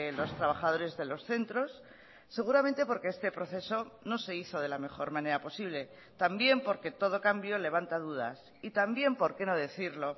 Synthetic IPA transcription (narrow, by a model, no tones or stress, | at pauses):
lo̞st̪ɾaβ̞axað̞o̞ɾe̞zðe̞lo̞sθe̞nt̪ɾo̞sː | e̞ɣ̞uɾament̪e̞po̞ɾke̞est̪e̞pɾo̞θe̞so̞no̞se̞iθo̞ð̞e̞lame̞xo̞ɾmãne̞ɾapo̞siβ̞le̞ | t̪ambje̞mpo̞ɾke̞t̪o̞ð̞o̞kambjo̞le̞β̞ant̪að̞uð̞a̰s | it̪ambje̞mpo̞ɾke̞no̞ðe̞θiɾlo̞